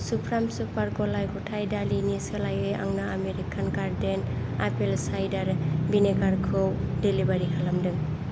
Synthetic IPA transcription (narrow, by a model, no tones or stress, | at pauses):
supʰɾamsupaɾɡɔlajɡɔtʰajdaliniesɯlajejʔa̰ŋnaameɾikʰanɡaɾdenapelsajdaɾbineɡaɾkʰɯwdelibaɾikʰalamdɯŋ